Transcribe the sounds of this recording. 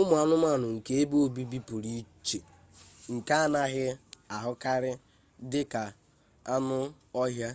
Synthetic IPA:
ʊ˦mʊ˨a˦nʊ˦ma˦˨nʊ˨ŋ̩˨ke˦e˦bo˦bi˦bi˦pu˨ɾi˦t͡ʃe˨ | ŋ̩˨ka˦a˦na˦ɦɪ˦a˨ɦʊ˦ka˦ɾɪ˦ | dɪ˦ka˨ | a˦nʊ˦ | ɔ˦ɦja˦

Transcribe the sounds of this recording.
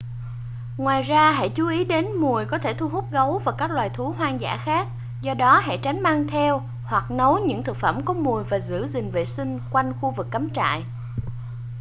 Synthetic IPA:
ŋwaː˨˩jzaː˧ɦa̰˧˥˨jt͡ɕu˨˦ʔi˨˦ɗe˨˦nmu˨˩əjkɔ˨˦t̪ʰe˧˩t̪ʰu˧ɦu˦˥t̚ɣə˨˦wvaː˨˩kaː˦˥k̚lwaː˨˩jt̪ʰu˨˦ɦwaː˧ŋza̰ː˧˥xaː˦˥k̚ | zɔ˧ɗɔ˨˦ɦa̰˧˥t͡ɕa˨˦jŋ̟maː˧ŋt̪ʰɛ˧w | hwa˨˩k̚nə˨˦wɲɨ̰˧˥ŋt̪ʰɨ˨˩k̚fə˧˩mkɔ˨˦mu˨˩əjvaː˨˩zɨ̰˧˥zï˨˩ŋ̟vḛ˧˨sï˧ŋ̟kwa˧jŋ̟xu˧vɨ˨˩kːa˨˦mt͡ɕa̰ː˧˨j

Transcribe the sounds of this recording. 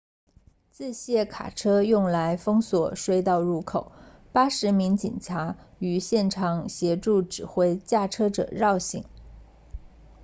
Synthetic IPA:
t͡sɹ̩˥˧ɕjɛ˥˩kʰa̰˨˩ʈ͡ʂʰɤ˥jʊ˥˩ŋla˧˥ɪfɤ˥ŋswɔ˨˩ʂwe˥˧ɪt̪ɑ˥˧ʊɻu˥˩kʰo˨˩˦ʊ | pa˥ʂɻ̩˧˥mi˧˥ŋt͡ɕḭ˨˩nʈ͡ʂʰa˧˥ | y˧˩ɕjɛ˥˩nʈ͡ʂʰɑ˨˩ŋɕjɛ˧˥ʈ͡ʂu˥˩ʈ͡ʂɻ̩˨˩xwe˥˧ɪt͡ɕja˥˩ʈ͡ʂʰɤ˥ʈ͡ʂɤ̰˨˩ɻɑ˥˩ʊɕḭ˧˩˦ŋ

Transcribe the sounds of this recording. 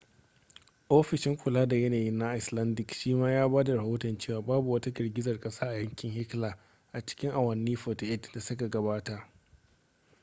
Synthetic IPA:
ʔoː˦ɸɪ˨ʃɪ˦ŋkʷʊ˨laː˦da˨jɐ˦naː˨jɪ˦nːa˦ʔɪ˨slɐ˦ndɪ˨kʃiː˦maː˦jaː˦baː˦da˨ɾɐ˨hoː˦tɔ˨nt͡ʃeː˦waː˨baː˦bu˨wɐ˦ta˦ɡɐ˨rɡʲɪ˦zɐ˨rkʼɐ˦saː˦ʔa˨jɐ˦ŋkʲɪ˨ŋhɪ˦klaː˨ | ʔa˨t͡ʃɪ̥˦kʲɪ˦ŋʔa˨wɐ˨nːiː˦ɸoː˨tʔɪ˦dda˨sʊ˦ka˨ɡɐ˨baː˦ta˨ʔ

